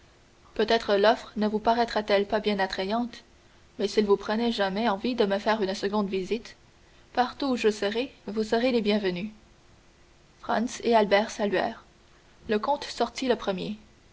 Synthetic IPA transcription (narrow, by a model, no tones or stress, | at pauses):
pøt̪ɛt̪χəlɔfχnəvupaʁɛt̪χat̪ɛlpabjɛ̃nat̪χejɑ̃t̪ | mɛsilvupχənɛʒamɛɑ̃vid̪əməfɛːʁynsəɡɔ̃d̪vizit̪ | paʁt̪uʒəsəʁevusəʁelebjɛ̃vəny | fχã̰nsealbɛːʁsalɥɛ̰ːʁ | ləkɔ̃t̪sɔʁt̪iləpχəmje